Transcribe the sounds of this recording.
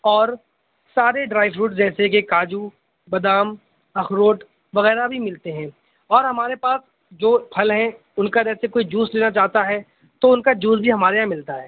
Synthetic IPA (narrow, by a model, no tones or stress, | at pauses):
ɔːɾ | saːɾeɖɾaːɪʋɾuːʈd͡ʒɛːsek̬ekaːd͡ʒu | bɐd̪aːm | ɐxɾoːʈ | ʋɐɣɛːɾabʱimɪlt̪eɦɛ̃ː | ɔːɾɦɐmaːɾepaːs | d͡ʒoːpʰɐlɦɛ̃ | ʊnkad͡ʒɛːsekoːid͡ʒuːsleːnat͡ʃaːɦt̪aɦɛ | t̪oʊnkad͡ʒuːsbʱiɦɐmaːɾejãmɪlt̪aɦɛː